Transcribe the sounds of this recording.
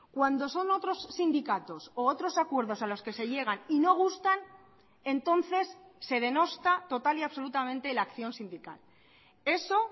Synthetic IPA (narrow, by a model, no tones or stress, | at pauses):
kwand̪o̞so̞no̞t̪ɾo̞sːind̪ikat̪o̞soot̪ɾo̞sakwe̞ɾðo̞salo̞ske̞se̞ʎe̞ɣ̞anino̞ɣ̞ust̪an | e̞nt̪o̞n̟θe̞sːe̞ð̞e̞no̞st̪at̪o̞t̪aliaβso̞lut̪amẽ̞nt̪e̞lakθjo̞nsind̪ika̰l | e̞so̞